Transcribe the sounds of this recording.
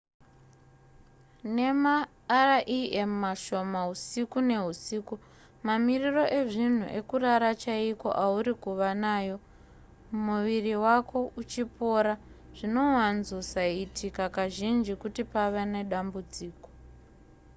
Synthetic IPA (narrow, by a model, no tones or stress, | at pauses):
ne̞maː | raʔiemmaʃo̞maɦusikune̞ɦusiːku | mamiriro̞ʔe̞ʐin̤ṵʔe̞kuraɾat͡ʃaiko̞̰ʔauɾikuʋanaːjo̞ | muʋiriwako̞ut͡ʃipo̞ɾa | ʐ̥ino̞wanzosaitʰikakaʒind͡ʒikutipaʋene̞ɗambud͡ziːko̥